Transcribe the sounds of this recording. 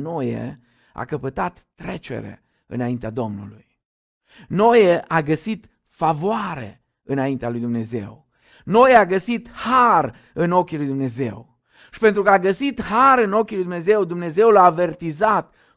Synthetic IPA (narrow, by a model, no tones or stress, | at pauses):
nojḛ | a̰kəpət̪at̪ːɾe̞t͡ʃe̞̰ɾe̞̰ | ɨ̰naint̪ead̪o̞mnṵluj | no̞jeʔaɡəsit̪ | favoaɾe̞̰ | ɨnaint̪ealujd̪umne̞ze̞̰w | no̞jeaɡəsit̪har | ɨno̞kʲilujd̪umne̞ze̞̰w | ʃi̥pe̞nt̪ɾukəaɡəsit̪haɾɨno̞kʲilujd̪umne̞ze̞wd̪umne̞ze̞wlaːve̞rt̪izat̪